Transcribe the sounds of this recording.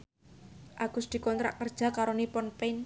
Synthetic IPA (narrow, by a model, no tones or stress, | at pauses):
ʔaɡ̥ʊ̤sd̪̥i̤kɔnt̪ɾa̰ʔkərd̥ʒ̥a̤kaɾonipɔnpɛn